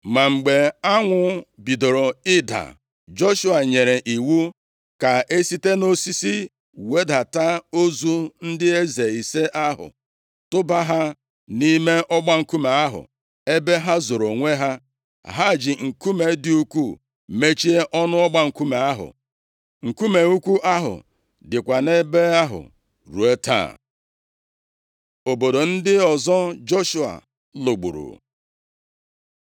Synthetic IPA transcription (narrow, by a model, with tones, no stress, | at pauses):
ma˨ŋ͡m̩˨ɡ͡be˨a˦ŋʷʊ˦bi˨do˨ɾo˨ɪ˦da̰˨ | d͡ʒo˦ʃu˦a˨ɲe˨ɾe˨ʔi˨wu˦ | ka˨ʔe˦si˦te˦no˦si˦si˦ | we˦da˨ta˦o˦zu˦n̩˦dɪ˦e˦ze˨i˨se˦ʔa˦ɦʊ̰˨ | tʊ˦ba˦ɦa˦ | ni˦me˦ʔɔ˦ɡ͡ba˦ŋ̩˨ku˦me˨a˦ɦʊ̰˨ | e˦be˦ɦa˦zo˨ɾo˨ŋʷe˦ɦa˦˨ | ɦa˦˨d͡ʒɪ˨ŋ̩˨ku˦me˨˦dɪ˦u˦kʷu˦˨ | me˦t͡ʃi˦e˦ʔɔ˦nʊ˦ɔ˦ɡ͡ba˦ŋ̩˨ku˦me˨a˦ɦʊ̰˨ | ŋ̩˨ku˦me˨u˦kʷu˦ʔa˦ɦʊ̰˨ | dɪ˨kʷa˨ne˦be˦a˦ɦʊ̰˨ | ɾu˨e˦ta̰ː˦˨ | o˨bo˨do˨n̩˦dɪ˦ɔ˨zɔ˦d͡ʒo˦ʃu˨a̰˨ | lo˨ɡ͡bṵ˨ɾṵ˨